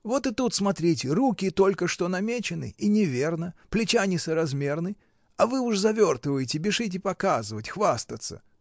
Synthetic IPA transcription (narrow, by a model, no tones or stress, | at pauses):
vo̞t̪ɨt̪ut̪smɐt̪ɾʲitʲɪɾukʲɪt̪o̞lʲkəʂt̪o̞nɐmʲet͡ɕɪnɨ̰inʲɪvʲe̞rnəplʲɪt͡ɕanʲɪsəɾɐzmʲe̞rnɨ | ɐvɨʊʂzɐvʲo̞rt̪ɨvəjɪtʲɪbʲɪʂɨt̬ʲɪpɐkazɨvətʲxvast̪ət̪sə̰